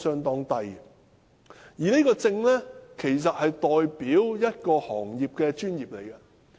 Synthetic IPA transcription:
sœː˥ŋt̪ɔː˥ŋt̪ɐ˧j | jiː˨˩ne˥kɔː˧t͡sɪ˧ŋlɛ˥kʰe˨˩js̬ɐ˨t̚hɐ˨jt̪ɔː˨jpiː˨˥wjɐ˥t̚kɔː˧hɔ̰ː˨˩ŋjiː˨p̚kɛː˧t͡ʃyː˥njiː˨p̚le˨˩jkɐ˧

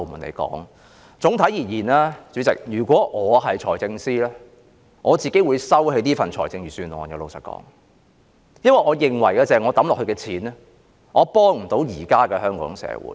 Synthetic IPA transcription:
mu˨˩nḛ˨˧jkɔ̰ː˨˥ŋ | t͡sʊ˨˥ŋt̪ʰɐ˨˥jjiː˨˩jiː˨˩naː˥t͡sy˨˥t͡sɪ̰˨k̚jyː˨˩kʷwɔː˨˥ʔɔː˨˧ɦɐ˨jt͡ʃʰɔː˨˩jt͡sɪ˧ŋsiː˥lɛː˥ | ŋʔɔː˨˧t͡siː˨˩ke˨˥jwuː˨˧jsɐ˥whe˨˥jniː˥fɐ˨nt͡ʃʰɔː˨˩jt͡sɪ˧ŋjyː˨˩syː˧nwɔː˨njlo˨˧wsɐ̰˨t̚kɔ̰ː˨˥ŋ | jɐ˥nwɐ˨˩jʔɔː˨˧jɪ˨ŋwɐ˨˩jkaː˧t͡sɛː˨ŋɔː˨˧t̪ɐ˨˥mlɔ˨khɵ˧kɛ˧t͡sʰiː˨˥n˥ | ŋʔɔː˨˧pɔː˥ŋm̩˨˩t̪o˨˥wjiː˨˩kaː˥kɛː˧hœː˥ŋkɔ̰ː˨˥ŋsɛ̰ː˧wṵː˨˥j

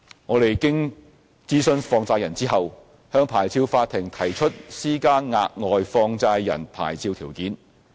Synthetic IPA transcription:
ŋɔː˨˧t̪e˨jkɪ˥ŋ | t͡siː˥sɵ˥nfɔː˧ŋt͡saː˧jɐ˨˩nt͡siː˥ɦɐ˨w | hœː˧ŋpʰaː˨˩jt͡sʰiː˧wfaː˧t̚t̪ʰɪ˨˩ŋt̪ʰɐ˨˩jt͡ʃʰɵ˥t̚siː˥kaː˥nŋaː˧k̚ŋɔː˨jfɔː˧ŋt͡saː˧jːɐ̰˨˩npʰa̰ː˨˩jt͡sʰiː˧wt̪ʰiː˨˩wkiː˨˥n

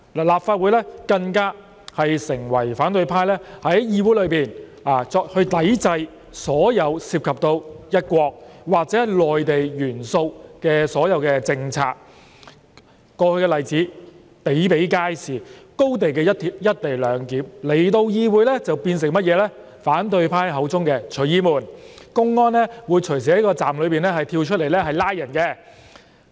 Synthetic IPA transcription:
laː˨˩laː˨p̚faː˧t̚wuː˨˥jlɛː˥kɐ˧ŋkaː˥ | hɐ˨jsɪ˨˩ŋwɐ˨˩jfaː˨˥nt̪ɵ˧ɥpʰaː˧jlɛː˥hɐ˨˥jjiː˧wuː˨˥jlɵ˨˧piː˨n | aː˨˩t͡sɔː˧hɵ˧ɥt̪ɐ˨˥jt͡sɐ˧j | sɔː˨˥jɐ˨˧wsiː˧p̚kʰɐ˨p̚t̪o˧wjɐ˥t̚kʷɔː˧k̚waː˨k̚t͡sɛː˨˦hjlɔː˨jt̪e˨jjyː˨˩nso˧wkɛː˧sɔː˨˥jɐ˨˧wkɛː˧t͡sɪ˧ŋt͡sʰa̰ː˧k̚ | ɔː˧hɵ˧ɥkɛː˧lɐ˨jt͡siː˨˥ | pe˨˥jpe˨˥jkaː˥jsiː˨ko˥wt̪e˨jkɛː˧jɐ˥ti˧˥jɐ˥t̚t̪e˨jlœː˨˧ŋkiː˨˥mle˨˩jt̪o˧wjiː˧wuː˨˧jlɛ˥t͡sɐ˨wpiː˧ns̬ɪ˨˩ŋmɐ˥t̚jɛː˨˧lɛː˥ | faː˨˥nt̪̬ɵ˧ɥpʰaː˥jɦɐ˨˥wt͡sʊ˥ŋkɛː˧t͡ʃʰɵ˨˩ɥjiː˥muː˨˩nkʊ˥ŋːɔː˥nlɛː˥wuː˨˧jt͡ʃʰɵ˨˩js̬iː˨˩hɐ˨˥jkɔː˧t͡saː˨mlɵ˨˧ɥpiː˨nɛː˥hɐ˨˩jt̪ʰiː˧wt͡ʃʰɵ˥le˨˩lɛː˥ɦɐ˨jlaː˥jɐ˨˩nkɛː˧

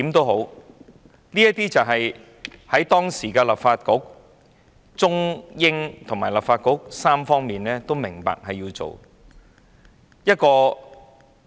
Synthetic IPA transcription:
iː˨˥mt̪o˥wɦo˨˥w | niː˥jɐ˥t̚t̪iː˥t͡sɐ˨wɦɐ˨j | hɐ˨˥jt̪ɔː˥ŋsiː˨˩kɛː˧lɐ˨p̚faː˧t̚kʊ˨˥k̚ | t͡sʊ˥ŋjɪ˥ŋt̪ʰʊ˨˩maː˨˩jlɐ˨p̚faː˧t̚kʊ˨˥k̚saː˥mfɔː˥ŋmiː˨nlɛː˥t̪o˥wmɪ˨˩ŋpa̰ː˨k̚hɐ˨jiː˧wt͡so̰˨w | jɐ˥t̚kɔː˧

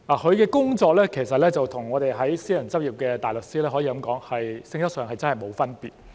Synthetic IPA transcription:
laː˨˩kɵ˨˧ɥkɛː˧kʊ˥ŋt͡sɔː˧k̚lɛː˥kʰe˨˩sɐ˨t̚lɛː˥t͡sɐ˨wt̪ʰʊ˨˩ŋɔː˨˧t̪e˨jɦɐ˨˥jsiː˥jɐ˨˩nt͡sɐ˥p̚jiː˨˩p̚kɛː˧t̪aː˨jlʊ˨k̚siː˥lɛː˥hɔː˨˥jiː˨kɐ˨˧˥mkɔː˨˥ŋhɐ˨jsɪ˧ŋsɐ˥ksœː˨˩ŋɦɐ˨jt͡sɐ˥nhɐ˨jmo˨˧wfɐ˥npiː˨t̚

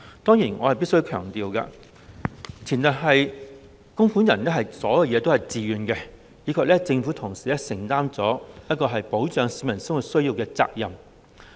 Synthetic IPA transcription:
t̪ɔː˥ŋjiː˨˩nŋɔː˨˧hɐ˨jpi˥tsɵ˥jkʰœ̰ː˨˩ŋt̪iː˨˧wkɐ̰˧ | t͡sʰiː˨˩nːɐ˨˩t̚ɦɐ˨j | kʊ˥ŋfu˨˥njɐ˨˩nlɛ˥hɐ˨jsɔː˨˥jɐ˨˧wjɛː˨˧t̪o˥whɐ˨jt͡siː˨ɥyː˧nkɛ˧ | jiː˨˧kʰɐː˨k̚lɛ˥t͡sɪ˧ŋfu˨˥t̪ʰʊ˨˩ŋsiː˨˩lɛː˥sɪ˨˩ŋt̪aː˥mt͡sɔː˨˥jɐ˥t̚kɔː˧ɦɐ˨jpo˨˥wt͡ʃœː˨˧ŋsiː˨˧mɐ˨˩nsɐ˥nwu˨˧tsɵ˥ɥjiː˧wkɛ˧t͡sa̰ː˧k̚jɐ˨m

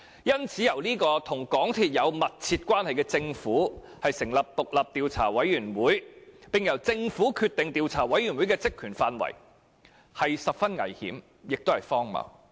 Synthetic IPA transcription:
jɐ˥nt͡sʰiː˨˥jɐ˨˩wniː˥kɔː˧t̪ʰʊ˨˩ŋkɔː˨˥ŋt̪ʰiː˧t̚jɐ˨˧wmɐ˨t̚t͡sʰiː˧t̚kʷwaː˥nhɐ˨jkɛː˧t͡sɪ˧ŋfuː˨˥ | hɐ˨jsɪ˨˩ŋlɐ˨p̚t̪ʊ˨k̚lɐ˨p̚t̪iː˨˧wt͡sʰa̰ː˨˩wɐ˨˥jɥyː˨˩nwuː˨˥jpɪ˨ŋjɐ˨˩wt͡sɪ˧ŋfuː˨˥kʰyː˧t̪ɪ˨ŋt̪iː˨wt͡sʰa̰ː˨˩wɐ˨˥jɥyː˨˩nwuː˨˥jkɛː˧t͡sɪ˥kʰːyː˨˩nfaː˧nwɐ̰˨˩j | hɐ˨jsɐ˨p̚fɐ˥nŋɐ̰˨˩jhḭː˨˥m | jɪ˨k̚t̪o˥whɐ˨˩jfɔː˥ŋmɐ̰˨˩w

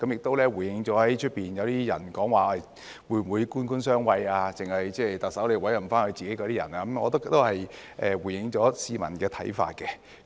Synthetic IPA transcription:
kɐ˨˥mjɪ˨k̚t̪o˥wlɛː˥wu˨˩jɪ˨˧ŋt͡sɔː˨˥hɐ˨˥jt͡ʃʰɵ˥t̚piː˨njɐ˨˧wt̪iː˥jɐ̰˨˩nkɔː˨˥ŋwaː˨aː˨˩ | wuː˨˧˨wuː˨˧jkuː˥nkuː˥nsœː˥ŋwɐ˧jaː˧t͡sɪ˨˩ŋhɐ˨jt͡sɛː˥˩t̪ɐ˨k̚sɐ˨˥wle˨˧wɐ˨˥jɐ˨˩faː˥nkʰɵ˨˧t͡siː˨ke˨˥jkɔː˧t̪iː˦˥jɐ̰˨˩naː˧˦˥mŋɔ̰ː˨˧t̪o˥t̪o˥whɐ˨jʔɛː˨wu˨˩jɪ˨˧ŋt͡sɔː˨˥siː˨mɐ˨˩nkɛː˧t̪ʰɐ˨˥jfa̰ː˧t̚kɛ˧

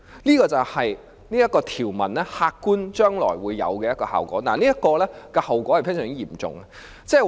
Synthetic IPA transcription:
niː˥kɔː˧t͡sɐ˨˩whɐ˨j | niː˥jɐ˥t̚kɔː˧t̪ʰiː˨˩wmɐ˨˩nlɛː˥haː˧kːuː˥nt͡ʃœː˥ŋlɔ̰ː˨˩jwuː˨˧jːɐ̰˨˧wkɛː˧jɐ˥kɔː˧ha̰ː˨wkɔ̰ː˨˥na̰ː˨˩niː˥jɐ˥t̚kɔː˧lɛː˥kɔ˧hɐ˨wkɔː˨˥hɐ˨˩jfʰɪ˥ŋs̬œː˨ŋi˥jiː˨˩mt͡sʊ̰˨ŋɐ˧ | t͡sɛː˥˩

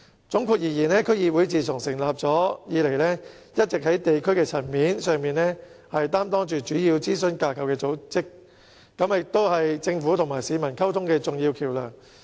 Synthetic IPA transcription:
t͡sʊ˨˥ŋkʰuː˧k̚jiː˨˩jiː˨˩nɛː˥kʰɵ˥ɥjiː˧wuː˨˥jt͡siː˨t͡sʰʊ˨˩ŋsɪ˨˩ŋlaː˨p̚t͡sɔː˨˥jiː˨˧le˨˩jlɛː˥ | jɐ˥t̚t͡sɪ˨k̚hɐ˨˥jt̪e˨jkʰɵ˥ɥkɛː˧t͡sʰɐ˨˩nmiː˨˥nsœː˨ŋmiː˨nlɛ˥ | hɐ˨jt̪aː˥mt̪ɔː˥ŋt͡ʃyː˨˩t͡ʃyː˨˥jiː˧wt͡siː˥sɵ˧nkaː˧kʰɐ˨wkɛː˧t͡so˨˥wt͡sɪ˥k̚ː | ɐ˨˥mjɪ˨k̚t̪o˥whɐ˨jt͡sɪ˧ŋfuː˨˥t̪ʰʊ˨˩ŋmaː˨˩jsiː˨˧mɐ˨˩nkʰɐ˥wt̪ʰʊ˥ŋkɛː˧t͡sʊ˨ŋjiː˧wkʰiː˨˩wlœ̰ː˨˩ŋ

